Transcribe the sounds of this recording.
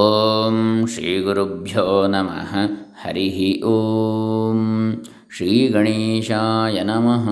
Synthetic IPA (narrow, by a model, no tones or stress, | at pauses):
omʃɾiːɡuɾubʱjoːnɐmɐ̰ɦɐ̆hɐ̰ɾiɦiʔoːm | ʃɾiːɡɐɳiːʃaːjɐnɐmɐɦɐ